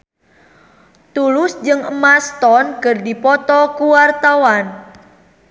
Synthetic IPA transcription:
t̪ulʊsd͡ʒɨŋəmast̪ɔnkɨrdipɔt̪ɔkuwart̪awan

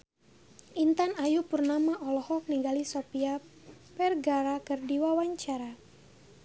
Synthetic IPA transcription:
ʔint̪anajupurnamaʔɔlɔhɔk̚niɡalisɔpia | pɛrɡaɾakərdiwawaɲt͡ʃaɾa

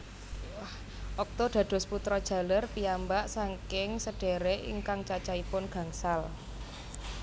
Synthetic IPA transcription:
h | ʔɔk̚t̪oɖ̪̥ä̤d̪̥ɔ̤sput̪ɾɔd̥ʒ̥ä̤lərpiambaʔsaŋkɪŋsəɖ̥e̤ɾeʔḭŋkaŋt͡ʃat͡ʃaipʊnɡ̥ä̤ŋsal

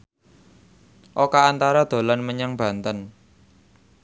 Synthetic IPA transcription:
ʔokaːnt̪aɾad̪̥o̤lanməɲəŋb̥ä̤nt̪ən

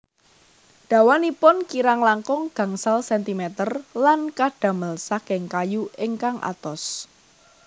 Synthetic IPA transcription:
ɖ̥a̤wanipʊnkiɾaŋlaŋkɔŋɡ̥ä̤ŋsalsɛnt̪imɛt̪ərlankaɖ̥a̤məlsakɪŋkajuɪŋkaŋʔa̰t̪ɔs

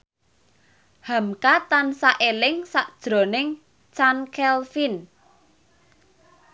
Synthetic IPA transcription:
hamkat̪ansaʔelɪŋsaʔd̥ʒ̥ɾo̤nɪŋ | t͡ʃankɛlfin

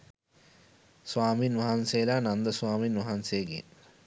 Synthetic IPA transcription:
sʋaːminʋɐɦanseːlaːnand̪əswaːminʋɐɦanseːɡḛ

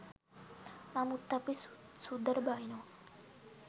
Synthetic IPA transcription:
mamut̪ːapissud̪əɾbaino

